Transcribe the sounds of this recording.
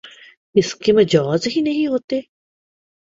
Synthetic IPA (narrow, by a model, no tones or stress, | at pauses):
ɪskemɐd͡ʒaːzɦinɐɦĩɦoːt̪e